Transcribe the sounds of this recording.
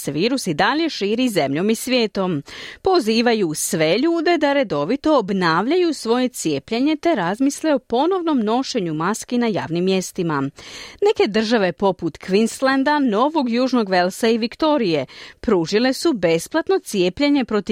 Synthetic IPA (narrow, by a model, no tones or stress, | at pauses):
seʋiːɾusid̪aʎe̞ʃiːɾize̞mʎo̞misʋʲjeːt̪o̞mpo̞ziːʋajusʋe̞ʎuːd̪e̞d̪aɾe̞d̪o̞ʋit̪o̞ːbnaːʋʎajusʋo̞je̞t̪sje̞ːpʎeɲe̞t̪e̞ɾazmisleo̞po̞no̞ʋno̞mno̞ʃe̞ɲumaskinaja̰ːʋnimːje̞st̪imane̞ke̞d̪r̩ʒaʋe̞po̞put̪kʋinslend̪ano̞ʋo̞ɡjuːʒno̞ɡʋe̞lsaiʋikt̪o̞ɾije̞pɾuːʒile̞sube̞splˠat̪no̞t̪sije̞ːpʎeɲe̞pɾo̞t̪i